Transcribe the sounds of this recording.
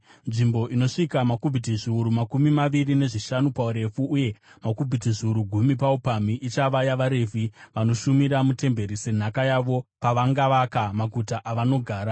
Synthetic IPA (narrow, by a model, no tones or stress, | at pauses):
nʐimbo̞ʔino̞ʂikamakubʱitiʐiuɾumakumimaʋirine̞ʐiʃanupauɾe̞fuːje̞makubʱitiʐiuɾuɡʱumip̬aupamiʔit͡ʃaʋajaʋaɾe̞ːvʱiʋano̞ʃumiɾamute̞mbe̞ɾise̞n̤akajaʋo̞paʋaŋɡaʋakamaɡʱutaʔaʋano̞ɡʱaːɾa